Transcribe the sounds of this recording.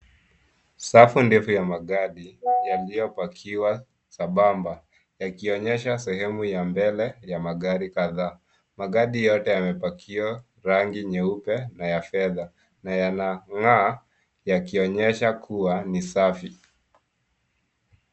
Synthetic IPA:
safundɛfujamaɠaɗijalijɔpakʰiwa | saɓamba | jakiɔɲɛʃasɛhɛmujambɛlɛjamaɠaɾikaðaː | maɠaɗijɔtɛjamɛpakʰiwa | ɾaŋɡiɲɛupɛnajafɛða | najanaŋa | jakiɔɲɛʃakʰuwanisafi

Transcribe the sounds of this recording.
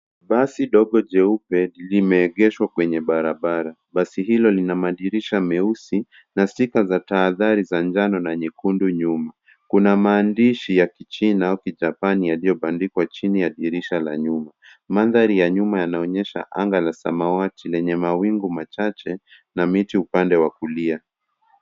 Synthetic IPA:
ɓasiɗɔɠɔd͡ʒɛupɛlimɛːɠɛʃwakwɛɲɛɓaɾaɓaɾa | ɓasiɦilɔlinamaɗiɾiʃamɛusi | nasikazataːðaɾizand͡ʒanɔnaɲikunduɲuma | kunamaːndiʃijakit͡ʃinaaukiʄapanijalijɔɓandikwat͡ʃinijaɗiɾiʃala̰ɲuma | maðaɾijaɲumajanaɔɲɛʃa̰ʔaŋɡalasa̰mawatilɛɲɛmawiŋɡumat͡ʃat͡ʃɛ | namitiupandɛwakulia

